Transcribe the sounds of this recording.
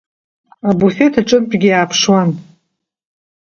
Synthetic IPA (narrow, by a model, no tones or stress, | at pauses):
abufe̞tʰaʈ͡ʂʼɨmpʼɡʲɪjaːpʰʂwan